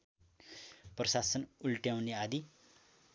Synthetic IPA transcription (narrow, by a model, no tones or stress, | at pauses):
prʌsasʌnulʈjawnead̪i